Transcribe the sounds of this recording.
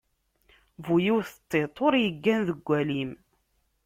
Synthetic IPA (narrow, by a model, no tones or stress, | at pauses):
vujiwθət̪ˤːet̪ˤoɾjəɡːænðəɡʷːælim